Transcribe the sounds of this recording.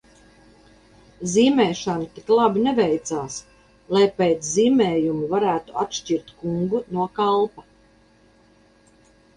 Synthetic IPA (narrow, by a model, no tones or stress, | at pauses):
ziːmɛːʃant̪iklˠabinevɛjt̪saːs | lˠajpeːt̪sziːmɛːjumuvaɾæːt̪uat̪ʃt͡ʃiɾt̪kuŋɡunuɔkalˠpa